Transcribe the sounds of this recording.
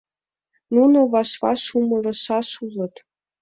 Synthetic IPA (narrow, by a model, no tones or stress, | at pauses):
nunoβɑʃβɑ̰ʃumɤ̆lɤ̆ʃɑʃulɤ̆t̪